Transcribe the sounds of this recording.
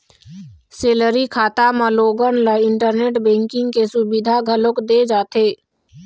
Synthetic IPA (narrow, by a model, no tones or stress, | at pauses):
seːləɾikʰaːt̪amãloːɡənləɪ̃ɳʈəɾneːʈbɛ̃ːŋkɪ̃ŋɡkesʊbɪd̪ʱaɡʱəlokd̪ed͡ʒaːt̪eː